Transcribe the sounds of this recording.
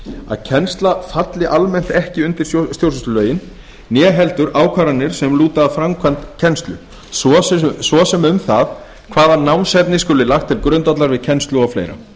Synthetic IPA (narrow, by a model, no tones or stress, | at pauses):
a̰ðcʰɛnst̪lafat̪lɪʔalmɛn̥t̪ɛhcɪʏnt̪ɪɾ̥sst̪jowsɛst̪lœːɥjɪn | njɛːɦɛlt̪ʏɾaːwkʰvaɾanːɪɾ̥sɛmluːt̪aːðfɾamkʰant̪cʰɛnst̪lʏ | sɔsvɔsɛmʏmθað | kʰvaːðanawnsɛp̪nɪskʏlɪlaxt̪ʰːɪlkɾʏnt̪at̪laɾvɪðcʰɛnst̪lʏawflḛjɾa̰